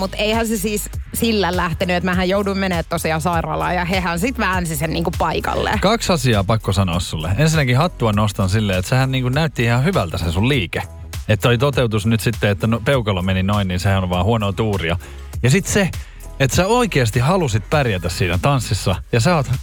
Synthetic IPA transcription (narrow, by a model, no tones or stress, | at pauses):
mut̪eihænsesiːssilːællæht̪enyet̪mæhæjouduimmeneːt̪t̪osiɑsɑirɑ̰ːlɑ̰ːjɑhehænsit̪ʋæːnsisenniːŋkuppɑikɑ̰lːḛkɑksɑsiɑːpɑkːosɑnoːssulːḛensinːækihɑt̪ːuɑnost̪ɑnsilːeːet̪sehænniːŋkunnæyt̪ːiihɑhyʋælt̪æsesulliːke | et̪ːolit̪ot̪eut̪usnyt̪sit̪ːeet̪ːænopeukɑlːɑmeninoinniːnsehæoʋʋɑːhuonoːt̪uːriɑ | jɑsit̪se | et̪sæoikeːst̪ihɑlusit̪̚pærjæt̪æssiːnæt̪ɑnsːisːɑjɑsɑɑoːt̪